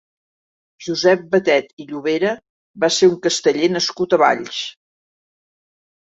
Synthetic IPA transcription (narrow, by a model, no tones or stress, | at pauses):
ʒuzɛp̚bət̪ɛt̪iʎuβ̞eɾə | baseuŋkəst̪əʎenəskut̪əβa̰ʎʃ